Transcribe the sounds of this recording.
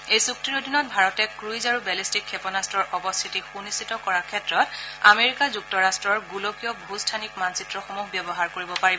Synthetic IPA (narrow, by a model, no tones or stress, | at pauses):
ejsuk̚tiɹodʱinɔt̚bʱaɹɔtɛkɹujzaɹubɛlistikʰːɛpɔnastɹɔɹʔɔbɔstʰitixunisitɔkɔɹakʰɛtɹɔta̰meɹikazuk̚tɔɹastɹɔɹɡulokijɔbʱustʰanikmansitɹɔxomuɦbjɔbɔɦaɹkoɹibɔpaɹibɔ